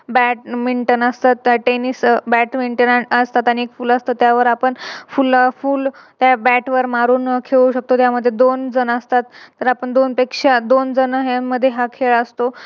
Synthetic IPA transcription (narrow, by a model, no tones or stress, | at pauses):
bæʈ̚miɳʈənəst̪at̪ːʈenisbæʈmiɳʈənəst̪at̪ːaniekfuːləst̪ət̪jaʋəɾapəɳfulfuːlt̪jabæʈʋəɾmaɾuːnkʰeɭuɕək̚t̪ot̪jaməd̪ʱːjed̪ond͡zənəst̪at̪ːəɾapəɳd̪onpekʂad̪ond͡zənəɦamːəd̪ʱːjeɦakʰeɭəst̪o